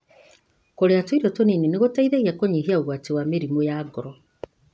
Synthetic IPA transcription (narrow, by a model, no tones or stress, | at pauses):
koɾeatoiɾɔtoninineɣotaiðeɣiakoɲiɦiaoɣwatewameɾimojaɡɔɾɔ